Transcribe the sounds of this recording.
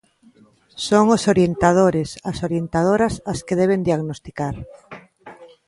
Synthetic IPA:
soŋosoɾjent̪að̞oɾɪsasoɾjent̪að̞oɾɐsaskeðɛβend̪iaɣnost̪ikaɾ

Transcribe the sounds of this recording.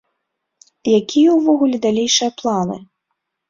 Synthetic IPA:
jakʲʰijɐwvɔɣulʲɛd̪alʲejʂɨjɐplˠanɨ̰

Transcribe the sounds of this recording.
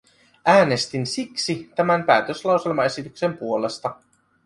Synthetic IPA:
ʔæːne̞st̪insiksit̪æmæmpæːt̪øslɑwse̞lmɑe̞sit̪ykse̞mpuo̞le̞st̪ɑ

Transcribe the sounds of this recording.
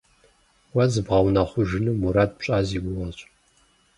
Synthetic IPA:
wɐzɨbʁɐwnɐχʷʊʒɨnɨmuɾaːd̚pɕʼaːziːɡʷʊʁɐɕʼ

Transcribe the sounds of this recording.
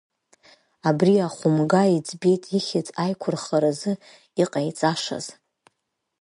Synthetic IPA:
abriaχʷʊmɡaid͡zʰʼbe̞jtʼiχʲɪt͡sʼajkʷʰʊrχaɾazɨ | iqʼajt͡sʼaʂa̰z̥

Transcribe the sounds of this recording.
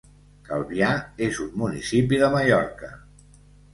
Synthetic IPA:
kəlˠβiaezumːunisipiðəməʎɔɾkə

